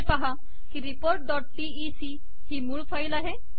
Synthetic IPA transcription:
paɦa | kiɾipoːɾʈ̚d̪ɔːʈ̚ʈiisi | himuɭpʰɐjlaɦe

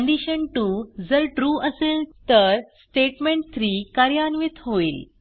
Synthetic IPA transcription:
əɳɖiɕənʈud͡zəɾʈɾuʔəselt̪əɾsʈeʈmẽɳʈ̚t̪ʰɾiːkaɾjanʋit̪ɦoil

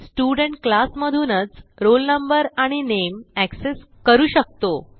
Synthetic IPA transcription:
sʈjuɽəɳʈklasməd̪ʱuːnət͡sɾolnəmbəɾaɽ̃inemækses | kəɾuːɕək̚t̪o

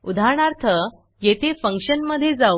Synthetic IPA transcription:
ud̪ʱaɳ̃aɾt̪ʰə | jet̪ʰefəŋkʂənməd̪ʱːjed͡zau

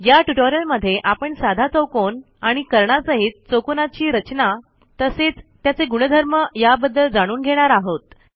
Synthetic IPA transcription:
jaʈuʈoɾijəlməd̪ʱːeʔapəɳsad̪ʱat͡səwkon | aɽ̃ikəɾɳasəɦiːt̪̚t͡sokonat͡ɕiːɾət͡ɕna | t̪əset͡st̪jat͡seɡuɽ̃əd̪ʱəɾməjabəd̪ːəld͡zaɽ̃uːnɡʱeɽ̃aɾaɦot̪

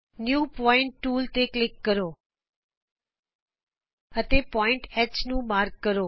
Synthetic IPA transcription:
njuːpɔɪ̃ɳʈːuːlt̪eklɪkːəɾo | ət̪epɔɪ̃ɳʈɛt͡ʃnũmaːɾkːəɾo

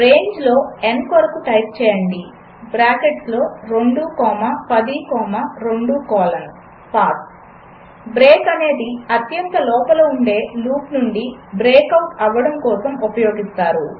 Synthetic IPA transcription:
ɾe̞ːɲd͡ʒlo̞ːenkoɾɐkuʈɐjp̚t͡ʃɛːjɐɳɖi | bɾaːkeʈslo̞ːɾoɳɖuːkɔːmɐpɐd̪ikɔːmɐɾoɳɖukɔːlɐn | paːk | bɾeːkɐne̞ːd̪iɐt̪jɐnt̪ɐlɔːpɐloːuɳɖe̞ːluːpnuɳɖibɾeːkɐwʈɐʋːɐɽɐmkɔːsɐmupɐjo̞ːɡist̪aːɾu

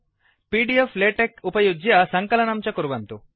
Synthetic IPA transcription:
piːɖiefleːʈekupɐjud͡ʒjɐsɐŋkɐlɐnɐmt͡ʃɐkuɾʋɐnt̪u

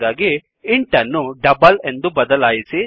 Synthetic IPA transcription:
aːɡi | iɳʈɐnːuɖɐbɐle̞nd̪ubɐd̪ɐlaːjisi

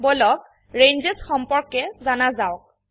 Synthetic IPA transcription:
bɔlɔk̚ | ɹenzesxɔmpɔɹkɛzanazawk̚

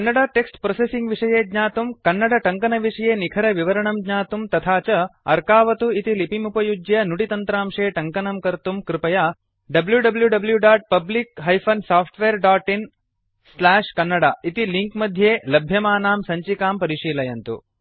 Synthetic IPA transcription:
kɐnːɐɽaːʈeksʈpɾosesiŋɡʋiʂɐjeːd̪ɲaːt̪umkɐnːɐɽɐʈɐŋkɐnɐʋiʂɐjeːnikʰɐɾɐʋiʋɐɾɐɳɐmdɲaːt̪umt̪ɐt̪ʰaːt͡ʃɐɐɾkaːʋɐt̪uit̪ilipimupɐjud͡ʒjɐnuɽit̪ɐnt̪ɾaːmʂeːʈɐŋkɐnɐmkɐɾt̪umkɾɪpɐjaː | ɖɐbljuɖɐbljuɖɐbljuɖaːʈ̚pɐblikɦɐjpʰɐnsaːpʰʈʋeːɾɖaːʈin | slaːʂkɐnːɐɽaːit̪iliŋkmɐd̪ʱjeːlɐbʱjɐmaːnaːmsɐɲt͡ʃikaːmpɐɾiʂiːlɐjɐnt̪ṵ

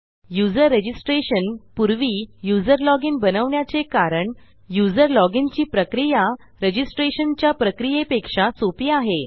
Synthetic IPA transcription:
jud͡zəɾːed͡ʑisʈɾeɕənpuɾʋiːjud͡zəɾlɔɡinbənəʋɳjat͡sekaɾəɳ | jud͡zəɾlɔɡint͡ɕiːpɾəkɾija | ɾed͡ʑisʈɾeɕənt͡ɕjapɾəkɾijepekʂat͡sopiːaɦe

